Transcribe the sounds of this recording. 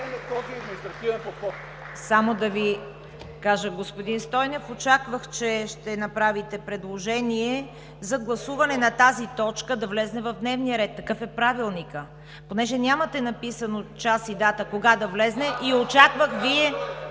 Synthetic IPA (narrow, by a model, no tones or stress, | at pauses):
nɛkɔsid̪mʲiist̪ɾɐt̪ivɛpot̪xɔt̪ | samod̪ɐvi | kaʒəɡospod̪inst̪ɔjnofot͡ʃakvəxt͡ʃɛʃt̪ɛnɐpɾavit̪ɛpɾɛd̪lˠoʒɛniɛ | zɐɡlˠɐsuvɐnɛnɐt̪azit̪ɔt͡ʃkəd̪ɐvlɛznɛvɐvd̪nɛvnijəɾɛt̪̚ːɐkɤfɛpɾavilˠnikə | ponɛʒɛnʲamɐt̪ɛnɐpisənot͡ʃasid̪at̪əkoɡad̪ɐvlɛznɛʔiot͡ʃakvəxviɛ